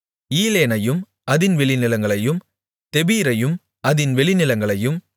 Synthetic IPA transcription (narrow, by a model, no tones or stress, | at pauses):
iːleːnɐjɯm | ɐðɪnʋɛɭɪnɪlɐŋɡɐɭɐjɯm | t̪ɛbiːɾɐjɯm | ɐðɪnʋɛɭɪnɪlɐŋɡɐɭɐjɯm